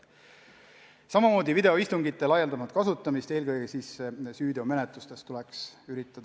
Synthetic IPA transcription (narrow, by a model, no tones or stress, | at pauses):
sɑmɑmo̞ːd̪ivid̪e̞oist̪uŋɡit̪ːˑe̞lɑjeld̪ɑmɑt̪̚kɑsut̪ːˑɑmist̪e̞ːlkɤjɡesiːssyːd̪eome̞net̪ˑlust̪e̞st̪ulɛksyɾit̪ˑːɑd̪̥ɑ